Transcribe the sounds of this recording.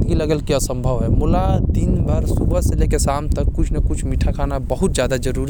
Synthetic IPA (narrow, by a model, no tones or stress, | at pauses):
d̪ɡiləɡəlkiɐsə̃mbʱəʋɦɛmʊlat̪inbʱəɾsubəselekesaːmt̪əkːʊt͡ʃʰnɐkʊt͡ʃʰmiʈʰakʰaːnabəɦʊt̪̚d͡ʒjaːd̪ad͡ʒəɾuːɾi